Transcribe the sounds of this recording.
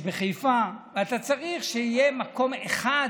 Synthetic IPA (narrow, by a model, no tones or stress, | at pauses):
beχejfaveat̪at͡saʁiχʃeijemako̞meχa